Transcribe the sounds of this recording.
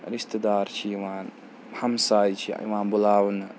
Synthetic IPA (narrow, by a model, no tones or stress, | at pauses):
ɾist̪ɨd̪aːɾt͡ʃʰiwaːn | hɐmsaːjt͡ʃʰiḭwaːnbulaːwn